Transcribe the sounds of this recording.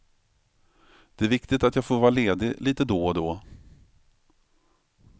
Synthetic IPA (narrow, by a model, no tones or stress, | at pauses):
d̪̥ɛæɾvɪkt̪ɪt̪at̪jɑːɡfoːɾvɑːɾaleːd̪ɪlʔiːt̪əd̪ɔd̪ɔ